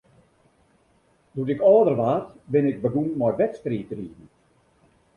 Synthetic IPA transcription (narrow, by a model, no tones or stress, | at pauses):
dutɪkɔːdərʋaːtbɪnɪk̚bəɡunmɔjʋɛtstriːtriːn̩